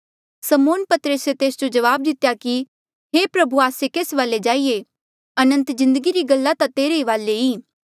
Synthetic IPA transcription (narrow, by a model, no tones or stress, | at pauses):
sɐmoːnpɐt̪ɾəset̪eːsd͡ʒod͡ʒɐʋaːb̚d̪ɪt̪jaki | ɦepɾɐbʱuaːsekeːsʋaːled͡ʒaːije | ɐnə̃nt̪zɪ̃nd̪əɡiɾiɡɐlːat̪at̪eːɾeiʋaːleiː